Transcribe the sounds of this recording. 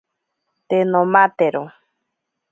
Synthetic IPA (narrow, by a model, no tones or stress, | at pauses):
t̪enomat̪eɾo